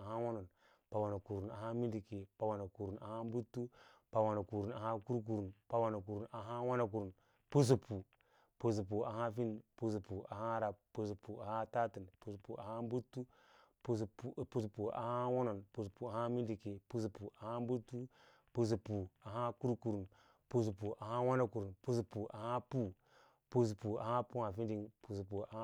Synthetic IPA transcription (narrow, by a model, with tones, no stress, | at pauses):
a˨a˦wo˦no˨n | pa˨wa˨na˨ku˨ɾu˨na˨ɦa˦mi˦ndi˨ke˨pa˨wa˨na˨ku˨ɾu˨na̰˨ha˦m˦bu˦tːu˦pa˨wa˨na˨ku˨ɾu˨na˨ha˦ku˦ɾk̬u˨ɾu˨npa˦wa˨na˨k̬u˨ɾu˨nʔa˨ɦa˦wa˦na˨k̬u˨ɾu˨n | pu˦s̬u˨pʰu˨ | pu˨s̬u˨pu˨a˨ɦa˦fi˦n˨pu˦s̬u˨pu˨ʔa˨ha˦ɾa˨pːu˨su˨pu˨a˨ha˦ta˦ti˨npu˨su˨pu˨ʔa̰˨ha˦m˦bu˦tːu˦ | pu˦sppu˨su˨pu˨a̰˨ha˦wo˦no˨npu˨s̬u˨pu˨a˨ha˦mi˦ndi˨ke˨pu˦s̬u˨pu˨ʔa˨ha˦m˦bu˦tːu˦ | pu˨s̬u˨pu˨a˨ɦa˦ku˦ɾku˨ɾu˨n | pu˦s̬u˨pu˨ʔa˨ha˦wa˦na˨ku˨ɾu˨npu˦su˨pu˨a̰˨ha˦pu˦ | pu˦s̬u˨pu˨a̰˨ha˦pu˦ha˨fi˦ndi˦˨ŋpu˨s̬u˨pu˨a˨˦